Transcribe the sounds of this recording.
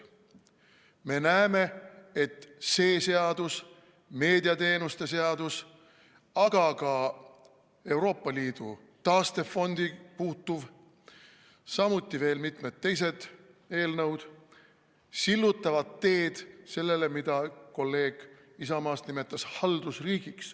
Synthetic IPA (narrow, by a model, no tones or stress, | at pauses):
me̞næeme̞e̞t̪ːse̞ːse̞ɑd̪̥us | me̞ːd̪iɑt̪e̞ːnust̪e̞se̞ɑd̪̥us | ɑɡ̥ɑkɑ | e̞wɾo̞ːpːˑɑliːd̪̥ṵ | t̪ɑːst̪e̞fo̞nd̪̥ipuːt̪ːˑuv | sɑmut̪ːˑive̞ːlmit̪met̪̚ːe̞js̬e̞d̪̥ | e̞ːlnɤwd̪̥ | silːut̪ːˑɑvɑd̪t̪ːe̞ːd̪̥se̞lːe̞le̞mid̪̥ɑko̞lːe̞ːɡ̥ | isɑmɑːst̪nime̞t̪ːˑɑshɑld̪̥usriːɡ̥iks